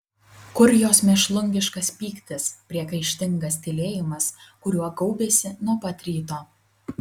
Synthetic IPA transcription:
kʊɾʲjoːsmʲɛʃlˠʊŋʲɡʲɪʃkɐspʲiːkt̪ʲɪspʲɾʲiɛkɐɪʃʲt̪ʲɪŋɡɐst̪ʲɪlʲeːjɪmɐskʊɾʲuɔɡɐʊbʲeːsʲɪnuɔpɐt̪ʲɾʲiːt̪oː

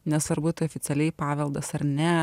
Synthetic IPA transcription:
nʲɛsɐɾbʊt̪ʲɐoːfʲɪt̪sʲɛlʲɛɪpɑːʋʲɛlˠd̪ɐsɐɾnʲɛ

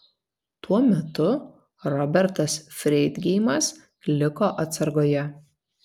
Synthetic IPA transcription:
t̪uɔmʲɛt̪ʊ | ɾɔbʲɛɾt̪ɐsfʲɾʲɛɪd̪ɡʲɛɪmɐs | lʲɪkoːʔɐt̪sɐɾɡoːjɛ

